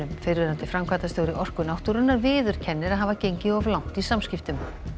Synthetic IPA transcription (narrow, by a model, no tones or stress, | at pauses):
ʏmfeɾvɛɾant̪ɪfɾamkʰvaːt̪ast̪oːwɾɪʔɔr̥kʏnawht̪uɾʏnːaɾvɪːðʏɾ̥cʰɛnːɪɾaðɦavacejɲcɪɔvlawŋ̥t̪isamscɪft̪ʏm